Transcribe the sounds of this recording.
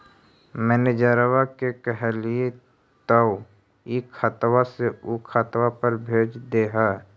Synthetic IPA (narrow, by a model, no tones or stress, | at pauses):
mɛːned͡ʒaːɾəwakekəɦɛlie | t̪əw | ikʰat̪waseukʰat̪wapəɾbʱeːd͡ʒd̪eːɦa